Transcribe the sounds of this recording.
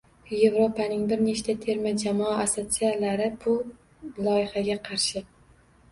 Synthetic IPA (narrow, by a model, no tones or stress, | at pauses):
je̞vɾo̞pʰanɪŋbɪɾne̞ʃt̪ʰat̪ʰe̞ɾmad͡ʒamɒaasot̪sijalaɾɪbʰʊl | lˠɒjɪhaɡʲaqʰɑɾʃɪ